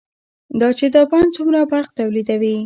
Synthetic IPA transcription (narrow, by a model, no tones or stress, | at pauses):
d̪ɑt͡ʃed̪əbant͡sumɾabaɾqt̪awlid̪awi